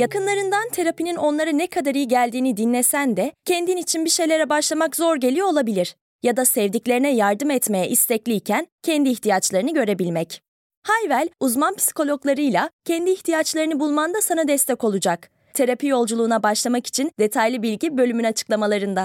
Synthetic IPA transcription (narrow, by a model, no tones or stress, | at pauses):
jakɯnlˠaɾɯnd̪ant̪ʰe̞ɾapinino̞nlˠaɾɯnɛkʰad̪aɾɯjiɟælʲd̪iːnid̪inlːʲesænd̪ɛcʰɛnd̪init͡ʃʰinbiʃe̞jlʲe̞ɾɛbaʃlˠamakzo̞ɾɟe̞lʲijoolˠabilʲiɾ̥ | jad̪asɛvd̪iclʲe̞ɾinɛjaɾd̪ɯmɛt̪me̞jɛʔist̪ʰɛclʲiːcʰæncʰɛnd̪iːçt̪ʰijat͡ʃlˠaɾɯnɯɟø̞ɾe̞bilʲmɛc | hajvælʲuzmanpʰi̥si̥ko̞lʲo̞klˠaɾɯjlʲˠacʰɛnd̪iːçt̪ʰijat͡ʃlˠaɾɯnɯbulˠmand̪asanad̪ɛst̪ʰɛko̞lˠud͡ʒak | t̪ʰe̞ɾapijo̞lˠd͡ʒulˠuːnabaʃlˠamaki̥t͡ʃʰind̪e̞t̪ʰajlʲibilʲɟibø̞lʲymynat͡ʃʰɯ̥klˠamalˠaɾɯnd̪a